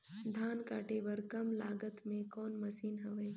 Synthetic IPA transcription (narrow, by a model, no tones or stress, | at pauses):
d̪ʱaːnkaːʈebɐɾkɐmlaːɡət̪mẽkɔːnmɐsiːnɦɐʋeː